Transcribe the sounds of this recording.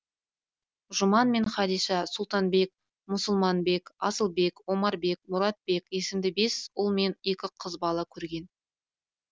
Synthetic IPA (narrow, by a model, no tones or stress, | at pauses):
ʒʊmɑnme̞ɴχɑd̪ijʃɑsʊlˠt̪ɑnbe̞k̚ | mʊsʊlˠmɑnbe̞kɑsəlˠbe̞kwo̞mɑɾbe̞k̚mʊɾɑt̪̚be̞ke̞sɪmd̪ɪbe̞sʊlˠme̞nekʲɪqʰəzbɑlˠɑkʲʰɵɾɡʲe̞n